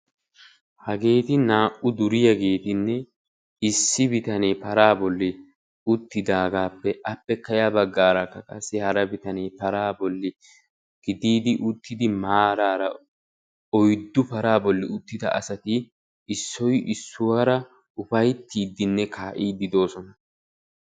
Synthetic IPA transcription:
hɐɡe̞ːt̪ɪnaːʔʊd̪ʊɾɪjɐɡe̞ːt̪ɪnːɛ | ɪsːɪbɪt̪ɐnepɐɾaːbɔlːɪ | ʊt̪ːɪd̪aːɡaːpːɛʔɐpːɛkɐjaːbɐɡːaːɾɐkːɐkʼɐsːɪhɐɾɐbɪt̪ɐneːpɐɾaːbɔlːɪ | ɡ̥ɪd̪iːd̪ɪʔʊt̪ːɪd̪ɪmaːɾaːɾɐ | ɔjd̪ːʊpɐɾaːbɔlːɪʊt̪ːɪd̪ɐ̰ʔɐ̰sɐt̪ɪ | ɪsːɔjʔɪsːʊwɐɾɐ | ʊfɐjt̪ːiːd̪ɪnːɛkʰaːʔiːd̪ɪd̪o̞ːsɔnɐ

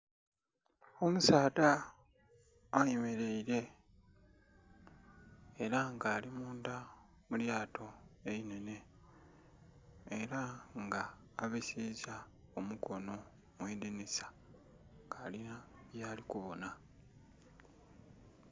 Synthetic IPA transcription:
o̞musaːda | jemeɾe̞iɾe̞ | ɾaŋɡaːlimuːnda | muljaːtʰo̞e̞ine̞ne̞ | ɾaŋɡaː | βesiza | omukʰo̞no̞ | mweːdinisḁ | ŋɡaːlinaβjaːlikuβo̞na

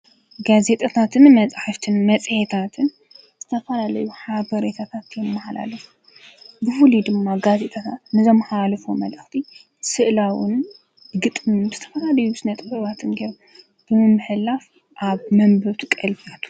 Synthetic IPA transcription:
ɡaze̞t̪ʼat̪ʰat̪ʰɨnmɐt͡sʼħaft̪ʰɨnmɐt͡sʼhet̪ʰat̪ʰɨn | z̥ɨt̪ʰɐfɐlalɐjuħabɐɾet̪ʰat̪ʰat̪jɛmːaħla̰lɐfu̥ | bɨfulid̪ɨmːaɡaze̞t̪ʼat̪ʰat̪nɨzo̞mħawalɐfomɐ̰lʔɨxt̪ʰi | sɨʔlawɨn | ɡɨt̪ʼmɨnzɨt̪ʰɐ̥fɐlalɐjusɨnɐt̪ʼɨbɐβat̪ʰɨnɡɐɾ | b̥ɨmɨmːɨhɨlaf | ʔaβmɐmbɐt̪ʰukʼɐlbiat̪ʰu̥

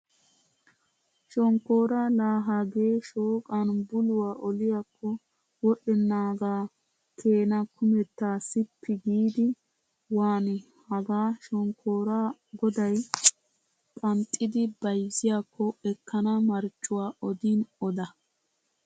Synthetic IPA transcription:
ʃɔŋkːoːɾalaːɦaɡeːʃoːkʼɐnbʊlʊwaːʔɔlɪjakːɔ | wɔʔɛnːaːɡaː | kʰe̞ːnɐkʰʊmɛt̪ːaːsɪpʰːɪɡiːd̪ɪ | waːnɪ | hɐɡaːʃɔŋkʰːoːɾaɡɔd̪ɐj | pʼɐnt̪ʼːɪd̪ɪbɐjzɪjakːɔɛkːɐnɐmɐɾt͡ʃʼːʊwaːʔɔd̪inɔd̪ɐ

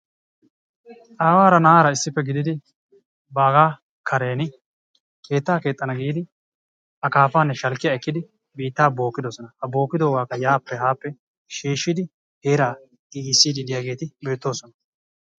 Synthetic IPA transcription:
ʔaːwaːɾɐnɐaːɾɐɪsːɪpːɛɡɪd̪ɪd̪ɪ | baːɡaː | kʰɐɾe̞ːnɪ | kʰe̞ːt̪ːaːke̞ːt̪ʼːɐnɐɡiːd̪ɪ | ʔɐkaːfaːnːɛʃɐlkːɪjaɛkːɪd̪ɪ | biːt̪ːaːbo̞ːkːɪd̪osɔnɐhɐbo̞ːkːɪd̪o̞ːɡaːkːɐjaːpːɛhaːpːɛ | ʃiːʃːɪd̪ɪ | heːɾaː | ɡɪɡɪsːiːd̪ɪd̪ɪjaːɡe̞ːt̪ɪbe̞ːt̪ːo̞ːsɔnɐ

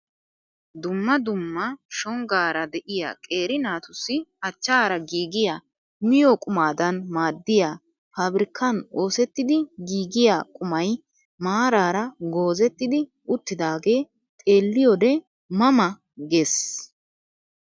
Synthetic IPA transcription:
d̪ʊmːɐd̪ʊmːɐʃɔŋɡaːɾɐd̪ɛʔɪja̰ːkʼe̞ːɾɪnaːt̪ʊsːɪɐt͡ʃːaːɾɐɡiːɡɪjaː | mɪjɔkʼʊmaːd̪ɐnmaːd̪ːɪjaː | faːbɾɪkʰːɐnoːsɛt̪ːɪd̪ɪɡiːɡɪjaːkʼʊmɐj | maːɾaːɾɐɡoːzɛt̪ːɪd̪ɪ | ʊt̪ːɪd̪aːɡe̞ː | t̪ʼe̞ːlːɪjɔd̪ɛ | mɐmɐ | ɡeːs

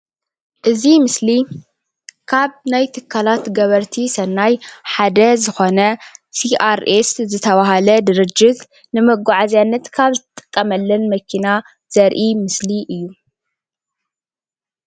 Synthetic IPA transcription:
ʔɨzimɨsli | kʰaβnajt̪ʰɨkʰːalat̪ɡɐβɐɾt̪ʰisɐnːajħad̪ɐzɨxo̞nɐsiʔaɾeszɨt̪ʰɐβaɦalɐd̪ɨɾɨd͡ʒːɪt̪ | nɨmɐɡʷaʕazjanːɐt̪kʰaβzɨt̪ʰt̪ʼːɨ̥kʼːɐmɐlːɐnmɐkʰina | z̥ɐɾʔimɨsliʔɨjːu

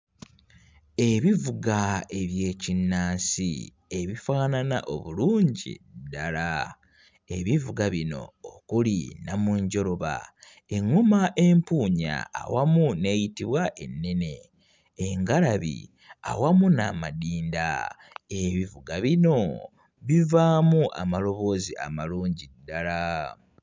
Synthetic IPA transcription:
e̞βivuɡae̞βje̞ːcinːaːnsḭ | e̞βifaːnana̰ʔo̞βuluːɲɟḭdala | eβivuɡaβino̞̰okulinamuɲɟo̞ɾo̞βa̰ | eŋːumaʔe̞mpuːɲa̰ːwamune̞ːjitiβwaʔe̞nːe̞ne̞ː | ŋɡalaβḭ | a̰wamuna̰madiːnda̰ | eβivuɡaβino̞ | βivaːmuʔa̰malo̞βo̞zia̰maluːɲɟidːala

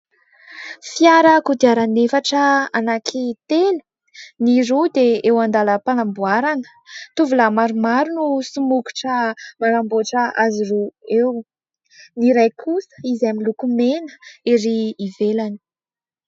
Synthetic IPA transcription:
fiaɾəkud̪iaɾanefaʈ͡ʂəanakʰit̪elu̥ | niɾud̪eewand̪aləpanambuaɾaŋə̥ | t̪uvulamaɾumaɾunusumuku̥ʈ͡ʂəmanamboʈ͡ʂəaziruew | niɾajkʰusə̥izamilukumenə̥iɾiːvelani̥

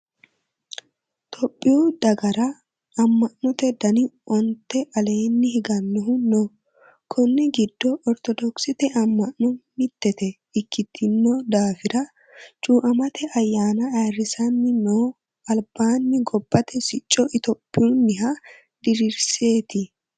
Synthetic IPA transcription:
t̪ʰɔpʼːɪjuːd̪ɐɡɐɾɐ | ɐmːɐʔnʊt̪ɛd̪ɐnɪɔnt̪ɛʔɐle̞ːnːɪhɪɡɐnːɔɦʊnːɔ | kʰɔnːɛɡɪd̪ːɔʔɔɾt̪ɔd̪ɔksɪt̪ɛʔɐmːɐʔnɔmɪt̪ːɛt̪ɛ | ɪkʰːɪt̪ʰːɪmːod̪aːfɪɾɐ | t͡ʃʼuːʔɐmɐt̪ɛʔɐjːaːnɐarɪsɐnːɪnoː | ɐlb̥aːnːɪɡɔbːɐt̪ɛsɪt͡ʃʼːɔɪt̪opʼːɪjuːnːɪɦɐ | d̪ɪɾiɾse̞ːt̪ɪ

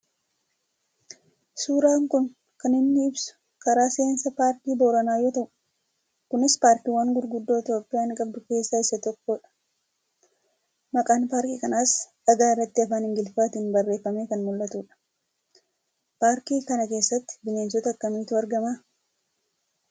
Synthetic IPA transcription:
suːɾaːŋkʊn | kɐnɪnːɪɪbsʊ̥ | kɐɾaːsensɐpaːɾkiːboːɾɐnaːjoːt̪ɐʔʊ̥ | kʊnɪspaːɾkiːwɐŋɡʊd̪ɾɡʊd̪ːo̞ːɪt̪jo̞ːpʼːɪjaːŋkʼɐb̚d̪ʊke̞ːsːaːɪsɐt̪ɔkːoːᶑɐ̥ | mɐkʼaːnpaːɾkiːkɐnaːsᶑɐɡaːɪrːɐt̪ːɪɐfaːnɪŋɡɪlfaːt̪iːnbɐrːeːfːɐmeːkɐnmʊlːɐt̪uːᶑɐ̥ | paːɾkiːkɐnɐke̞ːsːɐt̪ːɪ̥bɪne̞ːnsɔt̪ɐɐkːɐmiːt̪ʊɐɾɡɐmaː

